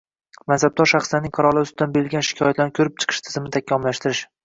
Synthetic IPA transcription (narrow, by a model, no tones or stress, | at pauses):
mansab̚d̪ɒɾʃaχslaɾnɪŋqʰɑɾɒlˠɪʊsɪd̪anbeɾɪlɡʲanʃɪ̥kʰʲɒjat̪lanɪkʰɵɾɪp̚t͡ʃʰɨ̥qʰɨ̥ʃt̪ʰɪ̥zɪmnɪt̪ʰakʲʰːɒmlaʃt̪ɪɾɪʃ